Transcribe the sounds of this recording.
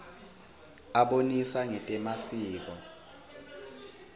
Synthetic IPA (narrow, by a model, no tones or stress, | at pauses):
aɓonisaŋɛtʼɛmasiːk̬ɔ